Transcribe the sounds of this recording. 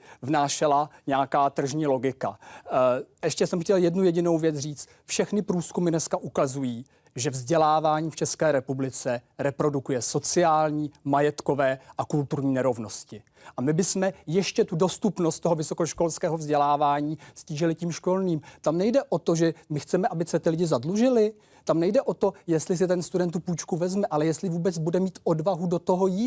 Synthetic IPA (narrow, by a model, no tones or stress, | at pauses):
vnaːʃɛlaɲɛakaːt̪r̩ʒɲiːlo̞ɡɪka̰ | ʔɛʃcɛsɛmxcɛljɛdnujɛɟɪno̞wvjɛt͡sriːt͡st̪ | fʃɛxnɪpɾuːskumɪnɛskaʔukazujiː | ʒɛvzɟɛlaːvaːɲiːft͡ʃɛskɛːɾɛpublɪt͡sɛɾɛpɾo̞dukujɛso̞t͡sɪaːlɲiːmajɛt̪ko̞vɛːʔakult̪uɾɲiːnɛɾo̞vno̞scɪ | ʔamɪbɪsmɛjɛʃcɛt̪udo̞st̪upno̞st̪t̪oɦo̞vɪsokoʃko̞lskɛːɦo̞vzɟɛlaːvaːɲiːsciːʒɪlɪciːmʃko̞lniːmt̪amnɛjdɛʔo̞t̪o̞ʒɛmɪxt͡sɛmɛʔabɪsɛt̪ɪlɪɟɪzadluʒɪlɪ | t̪amnɛjdɛʔo̞t̪o̞jɛst̪lɪs̬ɪt̪ɛnst̪udɛnt̪ːupuːjt͡ʃkuvɛzmɛʔalɛjɛst̪lɪvuːbɛt͡sbudɛmiːt̪ʔo̞dvaɦudo̞t̪o̞ɦo̞jiː